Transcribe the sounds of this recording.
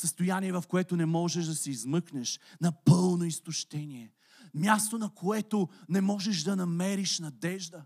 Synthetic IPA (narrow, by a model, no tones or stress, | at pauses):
səst̪ojanʲiɛvɐfkoɛt̪ʊnɛmɔʒɛʃd̪ɐsɛizmɤknɛʃnɐpɤlˠnoist̪ʊʃt̪ɛniɛ | mʲjast̪onɐkʰoɛt̪onɛmɔʒɛʃd̪ɐnɐmɛɾiʃnɐd̪ɛʒd̪ə